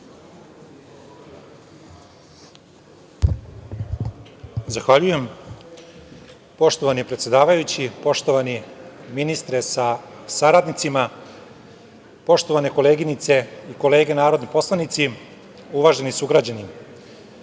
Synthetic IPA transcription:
zaxʋaʎuje̞m | po̞ʃt̪o̞ʋanipɾet̪sje̞d̪aːʋajut͡ɕipo̞ʃt̪o̞ʋaniminist̪ɾesasaɾad̪nit̪sima | po̞ʃt̪oʋane̞ko̞le̞ːɡinit̪se̞iko̞le̞ːɡe̞naːɾo̞d̪nipo̞slˠanit̪si | uʋaʒenisuɡɾad͡ʑanim

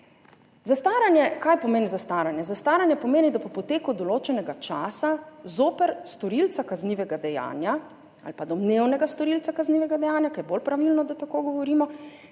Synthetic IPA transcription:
zast̪aːɾanjɛkajpɔmeːnizast̪aːɾanjɛzast̪aːɾanjɛpɔmeːnid̪apɔpɔt̪eːkud̪ɔloːt͡ʃɛnɛɡat͡ʃaːsazoːpɛɾst̪ɔɾilt̪sakazniːʋɛɡad̪ɛja̰ːnja | a̰lpad̪ɔb̪newnɛɡast̪ɔɾilt̪akazniːʋɛɡad̪ɛjaːnjakajɛbolpɾaʋilnɔd̪at̪akoːɡɔʋɔɾiːmɔ

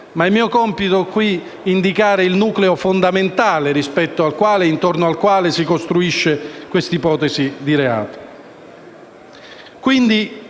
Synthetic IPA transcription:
maɛmːiːokɔmpit̪okwi | ind̪ikaːɾɪilnuːkleofond̪ament̪aːleɾispɛt̪ːoalkwaːleint̪ornoalkwaːlesikost̪ɾuiʃːekwest̪ipɔːt̪ɛsid̪iɾea̰ːt̪o̥ | kwind̪i

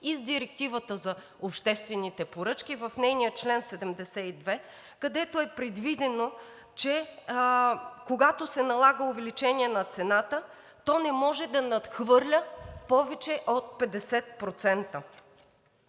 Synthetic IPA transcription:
izd̪iɾɛk̚t̪ivət̪əzɐ | opʃt̪ɛst̪vɛnit̪ɛpoɾɤt͡ʃk̟ivɐfnɛjnijət͡ʃlɛnsɛd̪ɛmd̪ɛsɛid̪vɛ | kɐd̪ɛt̪oɛpɾɛd̪vid̪ɛno | t͡ʃɛ | koɡat̪osɛnɐlˠaɡəʊvɛlit͡ʃɛniɛnɐt̪sɛnat̪ə | t̪ɔnɛmɔʒɛd̪ɐnɐt̪xvɤɾlʲəpɔvɛt͡ʃɛʔot̪̚pɛd̪ɛsɛt̪̚pɾot̪sɛnt̪ə

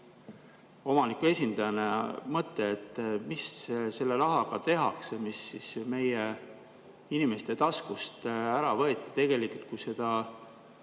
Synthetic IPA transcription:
o̞mɑnikue̞sʲind̪̥ɑjɑnemɤt̪ːˑe̞ːt̪ːˑmisse̞lːe̞ɾɑɦɑɡ̥ɑt̪e̞ɦɑksemisːisme̞je | inimest̪e̞t̪ɑskust̪æɾɑvɤ̞et̪ːˑi̥t̪e̞ɡ̥e̞likult̪̚kujse̞d̪̥ɑ

